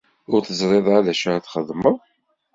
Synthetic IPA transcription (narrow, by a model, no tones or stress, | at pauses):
ʊɾθəzˤɾˤeðˤalæʃaθχəðˤməð